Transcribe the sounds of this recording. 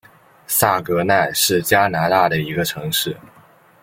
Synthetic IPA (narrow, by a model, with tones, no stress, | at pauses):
sa˥˩kɤ˧˥na˥˧ɪʂɻ̩˥˩t͡ɕja˥na˧˥t̪a˥˩d̪ə˩i˧˥ɡə˧ʈ͡ʂʰɤ˧˥ŋʂɻ̩˥˩